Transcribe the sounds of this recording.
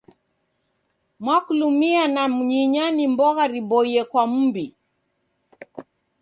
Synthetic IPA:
mwakulumianam̩ɲiɲanimbɔɣaɾibɔiɛkwam̩mbi

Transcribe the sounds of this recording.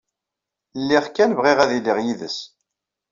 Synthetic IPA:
lːiʁkːænvʁiʁæðilːɪʁjiðəs

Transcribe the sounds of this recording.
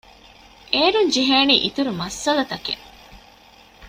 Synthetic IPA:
ʔeːɾuɲd͡ʒiɦeːniːʔit̪uɾumɐsːɐlɐt̪ɐkḛ

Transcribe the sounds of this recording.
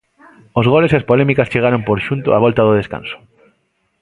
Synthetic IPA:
ozɣolesiaspolɛmikast͡ʃeɣ̞aɾompoɾʃunt̪ʊ̰aβɔlt̪aðʊð̞eska̰nsʊ̥

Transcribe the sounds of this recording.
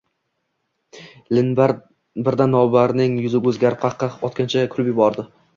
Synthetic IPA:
lɪnbaɾ | bɪɾd̪anːɒbaɾnɪŋjʊzɪɡʲɵzɡʲaɾp̚qʰɑqʰːɑqɒt̪kʲʰant͡ʃʰakʰʊɾɪpjɪbɒɾd̪ɪ

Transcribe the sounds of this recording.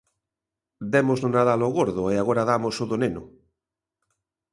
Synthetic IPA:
d̪ɛmoznonaðaloɣoɾð̞oeaɣoɾaðamosoðoneno

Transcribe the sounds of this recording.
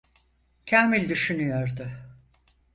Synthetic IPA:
cʰamilʲd̪yʃynyjoɾd̪ʊ

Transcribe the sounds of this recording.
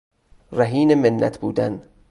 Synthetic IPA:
ræɦiːnemenːæ̰t̪ʰbuːd̪æn

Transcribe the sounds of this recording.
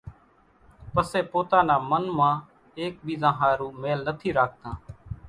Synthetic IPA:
pəseːpoːt̪ãːnaːmənmãː | eːk̚biːzãːɦaːɾũːmeːlnət̪ʰiːɾaːk̚ʰt̪ãː

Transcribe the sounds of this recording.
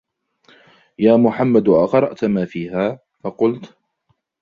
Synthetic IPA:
jaːmʊħamːad̪ʔɑqɾˤɑʔt̪maːfiːɦaː | faqʊlt̪

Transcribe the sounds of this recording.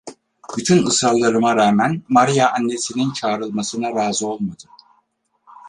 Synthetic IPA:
b̥yt̪ʰynɯsɾallˠːaɾɯmaɾaːmænmaɾijaʔːnːe̞sinint͡ʃʰaːɾɯlˠmasɯnaɾaːzɯo̞lˠmad̪ɯ

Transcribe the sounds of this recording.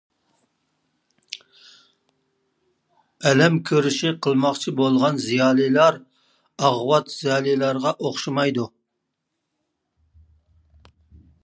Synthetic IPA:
ɛlɛmkʲʰøɾyʃiqʰəlˠmɑχt͡ʃʰibolˠʁɑnzijɑːlˠijlˠɑɾ | ɑʁwɑt̪z̥ijɑːlˠijlˠɑɾʁɑʔoχʃimɑjd̪u

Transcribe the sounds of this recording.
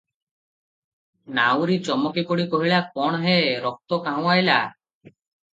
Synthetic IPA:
nawɾit͡ʃɔmɔkikoɽikɔɦiɭak̚ɔɳ̃ɔɦeɾɔk̚t̪ɔkaɦw̃ajla

